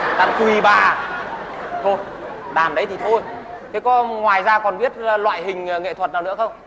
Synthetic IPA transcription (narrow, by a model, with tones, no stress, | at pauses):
la̰˧˨ŋk̪wi˨˩ɓaː˨˩ | t̪ʰo˧jɗaː˨˩nɗə˨˦jt̪ʰi˨˩t̪ʰo˧jt̪ʰe˨˦kɔ˨˦ŋwaː˨˩jzaː˧kɔ˨˩nvi˦˥ət̚lwa̰ː˧˨jɦï˨˩ŋ̟ː˨˩ŋḛ˧˨t̪ʰwə˨˩t̚naː˨˩wnɨ̰˧˥əxə˧wŋ͡m